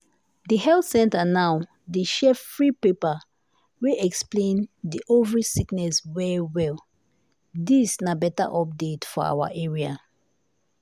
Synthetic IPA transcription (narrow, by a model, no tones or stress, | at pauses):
dihɛlθsɛ̃ntanaw | deʃɛfɹipepa | weʔɛksplẽndiʔovɹisiknɛswɛwɛl | disnabɛta̰ʔɔp̚detfɔ̰a̰wa̰ʔɛɹia